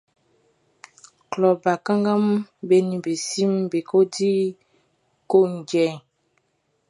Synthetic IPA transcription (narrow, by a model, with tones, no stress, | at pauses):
klɔ˨ba˨ka˦ŋɡa˦m˦be˨nĩ˨be˨si˦mbe˨ko˦di˦ | ko˦ŋ˨ɡɛ˨